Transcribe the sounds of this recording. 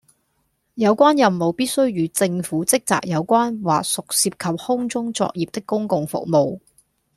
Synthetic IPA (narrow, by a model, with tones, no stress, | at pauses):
jɐ˨˧wkʷaː˥njɐ˨mmo˨wpiː˥t̚sɵ˥ɥjyː˨˧t͡sɪ˧ŋfuː˨˥t͡sɪ˥k̚t͡sa̰ː˨k̚jɐ˨˧wkʷaː˥nwa̰ː˨k̚sʊ˨k̚siː˧p̚kʰɐ˨p̚hʊ˥ŋt͡sʊ˥ŋt͡sɔ̰ː˧k̚jiː˨p̚t̪ɪ˥kːʊ˥ŋkʊ˨ŋfʊ̰˨k̚mo˨w